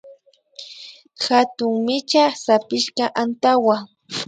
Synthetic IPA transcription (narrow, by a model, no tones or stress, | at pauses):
xat̪ʊŋmɪt͡ʃasapɪʃkɑʔant̪awa